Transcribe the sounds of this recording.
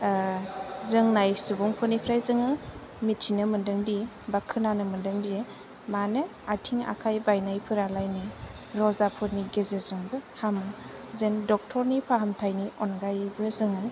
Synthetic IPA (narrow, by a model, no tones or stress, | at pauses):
ɾɯŋnajsubɔŋpʰɯnipʰɾajzɯŋɯ | mitʰinɯmɯndɯŋdi | bakʰɯnanɯmɯndɯŋdi | manɯ | atʰiŋa̰kʰajbajnajpʰɯɾalajni | ɾɔzapʰɯɾniɡezezɯŋbɯhamɯ | zendɔk̚tʰɔɾnipʰaɦamtʰajniʔɔnɡajbɯzɯŋɯ